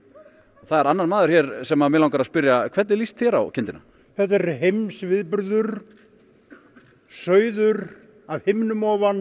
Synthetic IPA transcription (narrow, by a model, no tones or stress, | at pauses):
θaðɛɾanːaɾnmaːðʏɾ̥çjɛɾsɛmamɛɪlawŋkaɾaðspɪɾjakʰvɛt̪ɛɾlist̪θjɛɾa̰wcʰɪnt̪ɪna̰ | θɛt̪ɛɾɦejmsvɪðpʏɾðʏɾ | sœːɥðʏɾ | avhejmnʏmɔːvan